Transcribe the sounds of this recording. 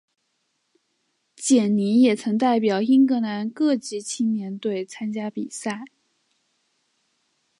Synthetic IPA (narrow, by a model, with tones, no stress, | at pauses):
t͡ɕjɛ˨˩nni˧˥jɛ˨˩t͡sʰɤ˧˥ŋt̪a˥˩ɪpjɑ˨˩ʊi˥ŋkɤ˧˥na˧˥nkɤ˥˧t͡ɕi˧˥t͡ɕʰi˥ŋnjɛ˧˥nt̪we˥˩ɪt͡sʰa˥nt͡ɕja˥pi˨˩sa˥˩ɪ